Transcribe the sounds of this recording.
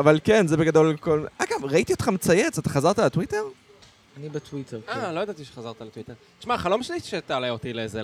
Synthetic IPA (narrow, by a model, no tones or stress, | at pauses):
avalkenzebe̞ɡad̪olkolaɡavʁait̪io̞t̪χamet͡sajet͡sat̪ḁχazaʁt̪alet̪wite̞ʁ | anibet̪wit̪ʰeʁalo̞jad̪at̪iʃe̥χazaʁt̪alet̪wit̪eʁt̪i̥ʃmaχalomʃanit̪ʃet̪aːlejot̪ileeze